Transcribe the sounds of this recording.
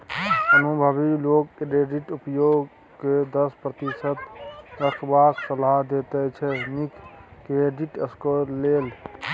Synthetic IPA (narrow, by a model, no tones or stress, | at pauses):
ənubʱəbilokɾeɖiʈupjoɡ | ked̪əspɾət̪isət̪ɾəkʰbaksəlaɦd̪et̪ɛt͡ʃʰɛnikːeɖiʈəskəlel